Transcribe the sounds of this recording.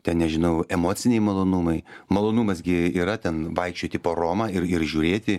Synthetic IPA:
t̪ʲɛnnʲɛʒʲɪnɐʊɛmoːtt͡sʲɪnʲɛɪmɐlˠoːnumɐɪmɐlˠoːnumɐsɡʲɪiːɾɐt̪ʲɛnʋɐɪkʃʲt͡ʃʲoːt̪ʲɪpoːɾoːmɐːɪrɪrʒʲuːɾʲeːt̪ʲɪ

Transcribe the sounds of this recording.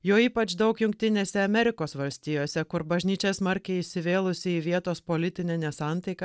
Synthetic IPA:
joːiːpɐt͡ʃd̪ɐʊkjʊŋk̚t̪ʲɪnʲeːsʲɛɐmʲɛɾʲɪkoːsʋɐlʲsʲt̪ʲɪjoːsʲɛkʊɾbɐʒʲnʲiːt͡ʃʲɛsmɐɾʲkʲɛɪɪʃʲsʲɪʋʲeːlˠʊsʲɪiːʋʲiɛt̪oːspoːlʲɪt̪ʲɪnʲɛnʲɛsɑˑnt̪ɐɪkɐ

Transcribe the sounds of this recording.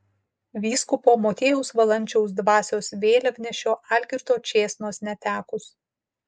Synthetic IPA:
ʋʲiːskʊpoːmoːt̪ʲeːjɛʊsʋɐlˠɐnʲt͡ʃʲɛʊsd̪ʋɑːsʲoːsʋʲeːlʲɐʋʲnʲɛʃʲoːʔɑlʲkʲɪɾt̪oːt͡ʃʲeːsnoːsnʲɛt̪ʲæːkʊs

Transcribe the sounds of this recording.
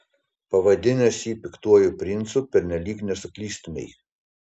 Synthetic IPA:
pɐʋɐd̪ʲɪnʲɛsʲiːpʲɪkt̪uɔjʊpʲɾʲɪnt̪supʲɛɾʲnʲɛlʲiːknʲɛsʊklʲiːsʲt̪ʊmʲɛj

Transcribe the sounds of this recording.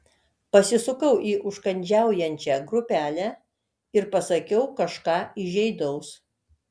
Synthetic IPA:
pɐsʲɪsʊkɐʊʔiːʔʊʃkɐnʲd͡ʒʲæˑʊjɛnʲt͡ʃʲæɡɾʊpʲæːlʲæː | ɪɾpɐsɐkʲɛʊkɐʃkɑːɪʒʲɛɪd̪ɐʊs

